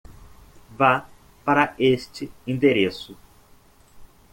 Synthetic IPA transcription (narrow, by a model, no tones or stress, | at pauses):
va | paɾɐest͡ʃɪĩnd̪eɾesʊ